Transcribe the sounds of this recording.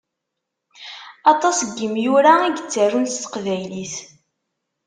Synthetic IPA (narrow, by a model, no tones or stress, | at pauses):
ɑt̪ˤɑsɡːəmjʊɾaæɡt͡sːərːunst̪ə̥qvæjliθ